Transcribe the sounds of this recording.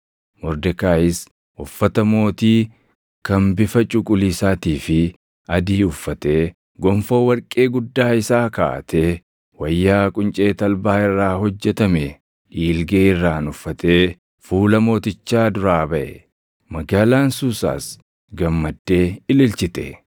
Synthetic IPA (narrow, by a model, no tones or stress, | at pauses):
mɔɾd̪ɛkaːɪs | ʔʊfːɐt̪ɐmo̞ːt̪iː | kɐmbɪfɐt͡ʃʼʊkʼʊliːsaːt̪iːfɪ | ɐd̪iːʊfːɐt̪eː | ɡɔmfo̞ːwɐɾkʼe̞ːɡʊd̪ːaːɪsaːka̰ːt̪ʰeː | wɐjːaːkʼʊnt͡ʃʼe̞ːt̪ɐlbaːɪrːaːhɔd͡ʒːɛt̪ɐme | ʔiːlɡeːɪrːaːnʊfːɐt̪eː | fuːlɐmo̞ːt̪ɪt͡ʃːaːd̪ʊɾaːbɐʔɛ | mɐɡaːlaːnsusa̰ːs | ɡɐmːɐd̪ːe̞ːɪlɪlt͡ʃɪt̪ɛ̰